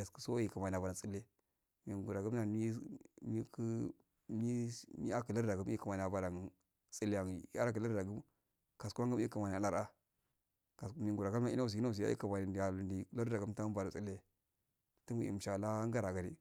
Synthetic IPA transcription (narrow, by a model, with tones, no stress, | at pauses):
a˨skə˦so˦ji˦˨ka˨ma˨n˨a˨a˨a˨t͡si˦lːe˦ | mi˨ɡu˨ɾa˨ɡu˦mna˨i˦mi˦kə˦ | mi˦mi˦a˦ki˨la˦ɾda˨ɡu˦m˦i˦ka˨ma˨n˨a˨ba˨ɾa˨ŋ | t͡sʼi˦li˦a˨ŋ˨ja̰˦ɾa˦kə˨la˦ɾda˨ɡu˦m | ka˨ska˦ŋɡə˦m˦i˦ka˨ma˨ni˨a˨la˦ɾa˦ | ka˨smi˨ŋ˨ɡu˨ɾa˨ɡa˦na˦i˦a˦˨s̬i˨˦na˦˨si˨ja̰˦ḭ˦a˨ma˨ni˨dja˨lu˨ndi˨˦la˦ɾda˨ɡu˦m˦ta˦ba˨ɾa˨t͡si˦le˦ | ti˦mi˦˨ḭ˨m˨ʃa˨la˦ŋɡa˦ɾa˨ɡa˨ɾi˦